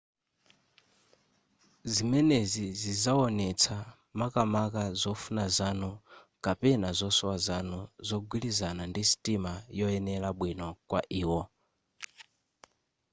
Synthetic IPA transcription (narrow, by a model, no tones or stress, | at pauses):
zimɛnezizizaɔnɛt͡sʰa | makamakazɔfunazanukapɛnazɔsɔwazanuzɔɡwilizanandisi̥tʼimajɔɛnɛlaɓwinɔkwaʔiːwɔ